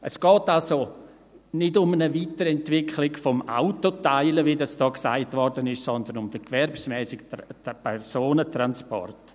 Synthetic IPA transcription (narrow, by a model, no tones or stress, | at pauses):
ʔəsɡ̥ɔːtalso | nɪdʊmənəviːtəɾɛntvɪkʰlɪɡfɔma̰ʊtotaɪləvidɑsd̥ɔːksa̰ɪtvɔrdənɪʃsɔnd̪ənʊmd̥əkvɛɾpsmɛːsɪkpʰɛɾsoːnətɾanspɔ̰rt